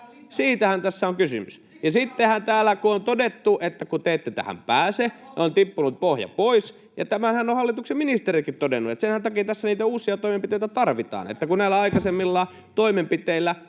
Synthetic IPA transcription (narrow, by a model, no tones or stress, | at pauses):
siːt̪æhænt̪æsːæoŋkysy̰mys | jɑsit̪ːehænt̪æːlːˑækuont̪odet̪ːuʔet̪ːækut̪eːt̪ːet̪æ̰hæ̰mpæːseont̪ipːunut̪̚pohjɑ̰pois | jɑ̰t̪æmænhænːohɑlːit̪uksemminist̪eɾikit̪t̪odenːuḛt̪senhænt̪ɑkiːt̪æsːæniːt̪æuːsˑiɑt̪oimempit̪eit̪æt̪ɑrʋit̪ɑ̰ːnḛt̪ːækunæilːˑæɑikɑsemːilːɑː | t̪oimempit̪eilːˑæ